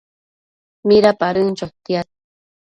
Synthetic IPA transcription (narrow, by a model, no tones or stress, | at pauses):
miɾapaɾɨnt͡ʃot̪iat̪